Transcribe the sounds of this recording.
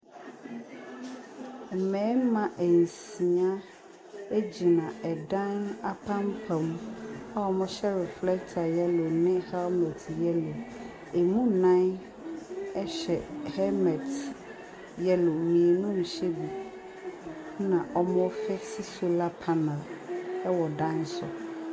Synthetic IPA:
mɛ̃˨˦mã˨ʔe˨ŋ̩˨sĩ˨ã˦ | e˦d͡ʑi˨nã˨ɛ˨ɖã˦na˦pʰã˦mpʰɛ˨ma˦wɔ˨mɔ̃˦ʃɛ˦ɾɛ˨flɛ˦kt̪ʰa˨jɛ˦lo˨nɪ̃˦hɛ˦mɛ˨tjɛ˦lo˨ | e˨mũ˦nã˦n | ɛ˦ɕɛ˨hɛ˦mɛ˨t | jɛ˦lo˨mĩ˨e˨nũ˦m̩˨ɕe˦bu˨ | nã˨ʔɔ˦mɔ̃˦fɛ˦si˦so˦la˦pʰa˦nɛ˨lɛ˦wɔ˨dã˦n˦sʊ̰˨

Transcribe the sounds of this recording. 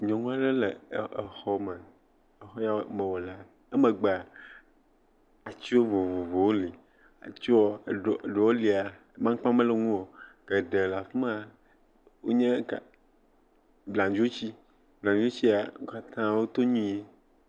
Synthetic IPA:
ɲɔ̃˨ŋũ˦a˦ɖe˦le˨e˨xɔ˦mɛ˨ | e˨xɔ˦ja˦wmɛ̃˨wɔ˨la˨ | ɛ˦mẽ˨ɡ͡ba˨ | a˨t͡ʃi˦wo˦vo˨vo˨vo˨wo˦li˨ | a̰˨t͡ʃi˦wɔ˦˨ɖo˨wo˦li˨a˨˦ | mã˦k͡pã˦mẽ˦le˨ŋũ˦wo˨ke˨ɖe˨la˨fm˦a˦ | wo˦ɲẽ˦ka˨ | blã˨d͡ʒo˦t͡ɕi˦ | blã˨n˨d͡ʒo˦t͡ɕi˦a˨ŋ˦ka˦t̪ʰã˦wo˦t̪o˦ɲũ˦e˦

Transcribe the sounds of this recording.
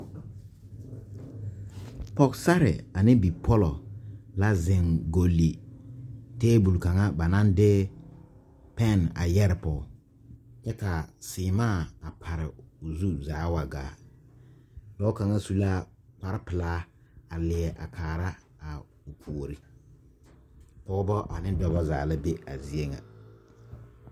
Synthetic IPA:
pɔ˨ksa˦ɾɪ̰˨a˨nɪ˦bi˨pʰɔ˦lɔ˨la˦zɪ˨ŋɡo˨li˨ | teː˦bu˨lka˨ŋa˦ba˨na˦ndɪ˦ | pɛ˦˨na̰˨jɛ˦ɾɪ˨pɔ˨ | t͡ʃɛ˦ka˨sɪː˨maː˦˨a˨pʰa˨ɾɪ˨ʊ˨zu˦zaː˨˦wa˨ɡa̰ː˨˦˨ | dɔ˦ka˨ŋa˦su˦laː˦pa˨ɾɪ˦pɪ˨laː˦ | a˨lɪ˨ɛ˨ʔa̰˨kʰaː˨ɾa˦ | a˨ | ʊ˨kʰu˨ɾi˨ | pɔ˦bɔ˦ʔa˨nɪ˦dɔ˦ba˦za̰ː˨la˦be˦a̰˨zi˨e˦ŋa̰˨

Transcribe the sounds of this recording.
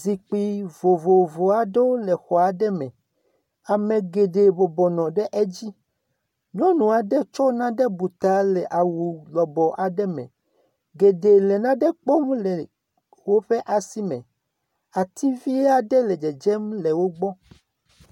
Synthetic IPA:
zi˨k͡pi˦vo˨vo˨vo˨a˨ɖe˦wo˦lɛ˨xɔ˨a˨ɖɛ˦mɛ̃˨ | a˨mẽ˨ɡe˨ɖe˨bo˨bɔ˨nɔ̃˨ɖɛ˦ʔɛ˦d͡ʑi˦ | ɲɔ̃˦nũ˨a˨ɖɛ˦t͡ʃɔ˦nã˦ɖɛ˦bu˨t̪a˨˦lɛ˨ʔa˨wu˨lɔ˨bɔ˨ʔa˨ɖɛ˦mɛ̰̃˨ | ɡe˨ɖe˨lɛ˨nã˦ɖɛ˦k͡pɔ˦mlɛ˨ | wo˦ɸe˦ʔa˨si˦mɛ̰̃˨ | a˨t̪ʰi˦vi˦ɛ˦a˨ɖɛ˦lɛ˨d͡ʒɛ˨d͡ʒɛ˦mlɛ˨wo˦ɡ͡bɔ˦

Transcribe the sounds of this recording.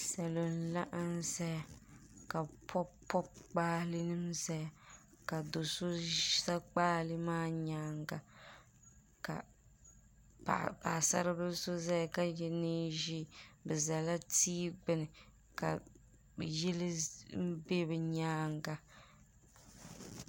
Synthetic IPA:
sa˨lo˨n̩˨la˦ʔa˦n˦za˦ja˨ | ka˨pʰɔ˦pʰɔ˦k͡paː˦lɨ˦nɨ˦mza˦ja˨ | ka˨do˨so˦sa˦k͡paː˦lɨ˦maː˦ɲaː˦ŋɡa˨ | ka̰˨ | a̰˨pa̰ː˨sa̰˦ɾɨ˦bɨ˦so˦za˦ja˨ka˦jɛ˦ne˦ʒi˦bɛ˨za˨la˦tiː˦ɡ͡bɛ˦nɨ˨ | ka̰˨ | jɛ˦lɪ˦m̩˦be˦bɛ˨ɲaː˦ŋɡa˨

